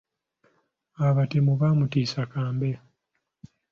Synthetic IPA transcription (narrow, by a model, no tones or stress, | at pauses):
aβatemuβaːmutiːsakaːmbe